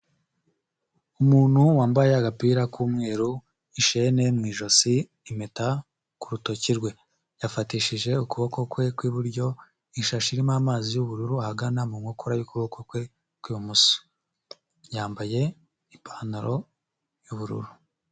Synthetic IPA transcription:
umuːn̥huwaːmbajeaɡapiɾakuːmŋe̞ːɾu | iʃene̞mwiːʒo̞siː | meta | kuɾuto̞ciɾɡwe̞ | jafatiːʃiʒe̞ukuβo̞ko̞kwe̞kwiβuɾɟo̞ | iʃaʃiɾimaːmaːzijuβuɾuɾuahaɡanamumŋokʰoɾajukuβokokwe̞ | kwiːβumuso̥ | jaːmbaje̞ | ipʰaːnaɾo̞ | juβuɾṵɾu

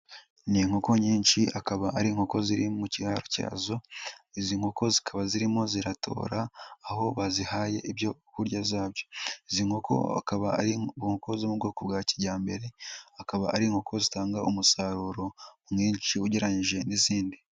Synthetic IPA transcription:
niːŋ̥hoko̞ɲiːnʃiakaβaʔaɾiŋhoko̞ziɾimucihaːɾo̥ca̰ːzo̞iziŋhoko̞zikʰaβaziɾimo̞ziɾatʰo̞̰ːɾaːho̞βazihaːje̞ʔiβjo̞kuɾɟazaːβjo̞̥iziŋhokʰo̰a̰kaβaaɾiβŋhoko̞zomubɡo̞kobɡaːciɾɟaːmbe̞ɾe̞akaβaʔaɾiŋhokʰo̞zitaːŋɡaʔumusaɾuːɾo̞mŋiːnt͡ʃiuɟeɾaɲiʒe̞niziːndi

